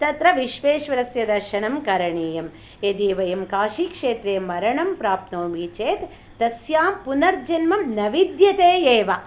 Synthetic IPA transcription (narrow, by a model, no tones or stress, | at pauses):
t̪ɐt̪ɾɐʋiʃʋeːʃʋɐɾɐsjɐd̪ɐɾʃɐɳɐmkɐɾɐɳeːjɐm | ed̪eːʋɐjɐmkaːʃikʂeːt̪ɾeːmɐɾɐɳɐmpɾaːp̪̚noːmit͡ʃeːt̪ː | ɐsjaːmpunɐɾd͡ʒɐnmɐmnɐʋid̪jɐt̪eːeːʋɐ